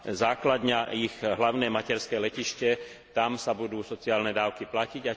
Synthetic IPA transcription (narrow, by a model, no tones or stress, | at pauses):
zaːklad̪ɲaiɣɦlaʊnɛːmacɛɾskɛlɛciʃcɛ | t̪amsabud̪uːsɔt͡siaːlnɛd̪aːʊkiplaciɟa